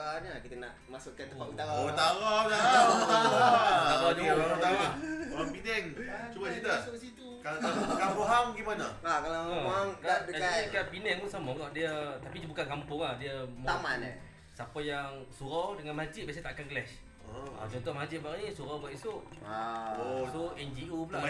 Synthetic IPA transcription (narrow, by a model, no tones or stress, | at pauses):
anadiəkənaʔmasʊʔkːat̪əpaut̪aɣaut̪aɾadaaaabad͡ʒuaaaɾaoapinɛŋt͡ʃubasit̪uaksit̪ukalalkanɾuɦaŋbəɡimanəakalaamaŋkadəakapinɛŋmusamaɡɔʔdiət̪apid͡ʒbukankampʊŋahdiəməaman | sapajaŋŋsuɾawdəŋanmad͡ʒɪt̪̚bias̬at̪aʔkanɡlɛs | a̰t͡ʃɔnt̪ɔhmad͡ʒɪt̪̚baɾanisuɾawbaʔ̪isoʔ | soɛnd͡ʒiupula